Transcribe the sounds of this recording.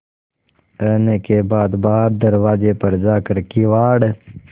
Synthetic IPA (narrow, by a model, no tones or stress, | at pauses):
ənekeːbaːd̪baːɾd̪əɾwaːd͡ʒeːpəɾd͡ʒaːkəɾkiːwaːɽ